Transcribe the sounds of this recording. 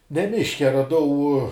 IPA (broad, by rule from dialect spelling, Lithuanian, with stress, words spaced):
nʲɛ ˈmʲɪʃʲkʲɛ rɐˈdɐʊ